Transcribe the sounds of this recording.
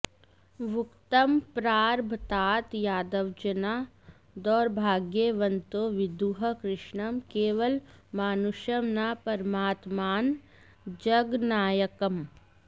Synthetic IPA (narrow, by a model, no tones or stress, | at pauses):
ʋʊkt̪əmpɾaːɾbʱt̪aːt̪jaːd̪əʋd͡ʒənaː | d̪ɔːɾbʱaːɡjeʋɐ̃nt̪oʋɪd̪uɦəkɾɪʃɳɐmkeːʋəlmaːnuʃjɐmnapɐɾmaːt̪maːn | d͡ʒɐɡnaːjəkɐm